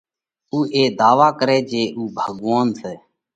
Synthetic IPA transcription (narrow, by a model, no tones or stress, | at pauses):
uːʔeːd̪aːʋaːkəɾɛːd͡ʒeːʔuːbʱəɠʋaːnsɛː